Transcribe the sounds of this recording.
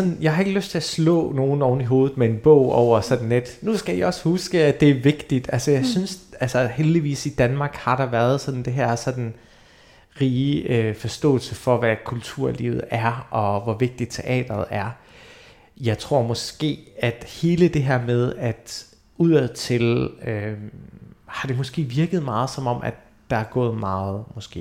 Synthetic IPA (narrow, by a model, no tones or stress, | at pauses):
sɒnn̩jɑ̈ɪhɑ̈e̝ɡ̥əløsd̥t͡sʰe̝æslɔ̰̽ːno̝ːn̩ɒʊn̩iɦo̝ːð̩ˠmee̝nb̥ɔ̰ʊ̰ɒʊ̰ɐsɒ̽d̥n̩led̥nusɡ̥æiɒ̽shusɡ̥əæ̥e̝æɐʋe̝ɡ̥d̥id̥ælsəjɑ̈ɪsynsælsɐheld̥iʋḭːsid̥ænmɑ̈ːɡ̥hɑ̈ɾ̥ɑ̈ʋæɐð̞ˠsɒ̽n̥n̩d̥e̝ɦæɐ̰sɒ̽d̥n̩ | ʁiːøfɒ̽sd̥ɔ̰̽ːlsəfɒ̽ʋækʰult͡sʰuɐ̰lḭːʊð̩ˠæɐɒ̽ʋɒʋe̝ɡ̥̚d̥id̥t͡sʰe̝ʔɛ̰ːd̥ɐð̩ˠæɐ | jɑ̈ɪt͡sʰʁo̝ɐ̰mɒ̽sɡ̥e̝̰ːæd̥he̝ːləd̥e̝ɦæɐ̰með̞ˠæd̥ | uð̰ˠɛðˠt͡sʰe̝lø | hɑ̈d̥e̝mɒ̽sɡ̥e̝̰ːʋiɐɡ̥əð̩ˠmɑ̈ːð̞̩ˠsɒ̽mɒ̽m̰ʔæd̥ːɑ̈æɐɡ̥ɔ̰ːð̞̩ˠmɑ̈ːð̩ˠmɒ̽sɡ̥e̝̰ː